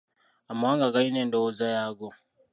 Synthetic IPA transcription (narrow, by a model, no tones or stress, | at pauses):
amaaːŋɡaɡaineːndowozajaːɡo